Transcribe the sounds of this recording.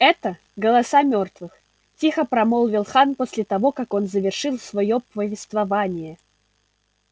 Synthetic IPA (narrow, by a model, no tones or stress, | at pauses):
ɛt̪ə | ɡəlˠɐsamʲo̞rt̪vɨx | tʲixəpɾɐmolˠvʲɪlˠxanposʲlʲɪt̪ɐvo̞kako̞nzəvʲɪrʂɨlˠsvɐjopəvʲɪst̪vɐvanʲɪjə